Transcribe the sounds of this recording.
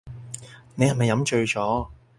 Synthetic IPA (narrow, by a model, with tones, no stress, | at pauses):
ne˨jhɐ˨˩mɐ˨jɐ˨˥mt͡ʃɵ˧ɥt͡ʃɔː˨˥